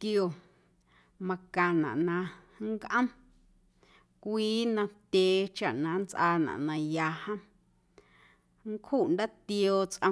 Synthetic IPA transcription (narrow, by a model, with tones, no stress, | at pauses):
kjo˨ | mã˧kã˨nã̰˨ʔnã˧ | ŋ˦kʔə̃˦m | kʷiː˦nã˧t̪ʲeː˨t͡ʃa̰˨ʔnã˨˦nt͡sʔaː˧nã̰˨ʔnã˧ja˧hə̃˦ | ŋ˦khu˦˨ʔnd̪a˦t̪joː˧t͡sʔə̰̃˧